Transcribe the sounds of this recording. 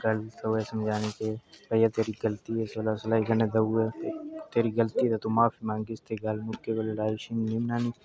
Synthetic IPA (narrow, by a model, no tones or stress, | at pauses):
ɡɐlt̪ʰɐwesɐmd͡ʒʱaːnikebɐjat̪eːɾiɡəlt̪iɦesoːlasɐlaːiɡəned̪ɐuet̪eːɾiɡəlt̪it̪et̪omaːfimãːŋɡɪst̪ʰeɡɐlmʊkːebəllaːiʃinnimnaːniː